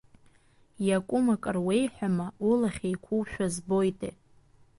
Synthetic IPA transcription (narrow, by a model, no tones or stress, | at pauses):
jakʷʼʊmakʼɨrwe̞jħʷᶣamaulaχʲejkʷʰuwʃᶣazbo̞jtʼe